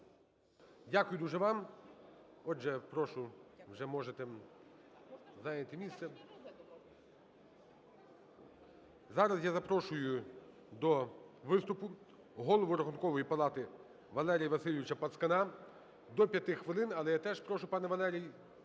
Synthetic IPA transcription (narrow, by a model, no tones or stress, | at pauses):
dʲakʊjʊd̪uʒɛʋɑm | ɔd͡ʒɛpɾɔʃʊwʒɛmɔʒet̪ɛ | zɑjnʲɐt̪ɪmʲist̪sɛ | zɑɾɐsjazɐpɾɔʃʊjʊ | d̪ɔʋɪst̪ʊpʊ | ɦɔlˠɔʋʊɾɔɦɔnkɔʋɔjipɐlˠɑt̪ɪ | ʋɐlˠɛɾʲijɐʋɐsɪlʲiʋʲɪt͡ʃɐpɐt̪skɐnɑ | d̪ɔpʲjɐt̪ɪxʋɪlˠɪnɐlˠɛjat̪ɛʒpɾɔʃʊpɑnɛʋɐlˠɛɾʲij